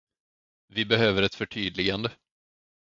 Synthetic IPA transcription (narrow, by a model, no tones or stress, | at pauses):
vɪbɛɦøːvəɾɛt̪fœʈʰyːd̪lɪɡand̪ə